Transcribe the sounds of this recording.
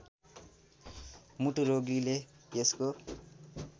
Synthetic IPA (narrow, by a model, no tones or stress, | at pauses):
muʈuɾoɡlileesko